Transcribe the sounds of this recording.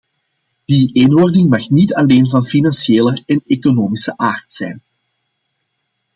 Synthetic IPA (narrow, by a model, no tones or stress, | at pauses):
d̥iʔeːnordɪŋmɑxnitɑleːnvɑnfinɑnʃeːləɛnekonoːmisəʔaːrtsɛ̰jn